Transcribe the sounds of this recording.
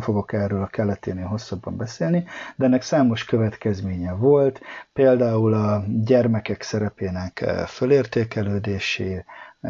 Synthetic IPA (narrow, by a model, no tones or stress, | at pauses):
fo̞ɡo̞kɛrøːlkɛlːɛt̪eːneːlɦo̞sːɒbːɒmbɛseːlnid̪ɛɛnːɛksaːmo̞ʃkø̞vɛt̪kɛzmeːɲɛvo̞lt̪peːld̪aːulɒɟɛrmɛkɛksɛɾɛpeːnɛkføleːrt̪eːkɛløːd̪eːʃeː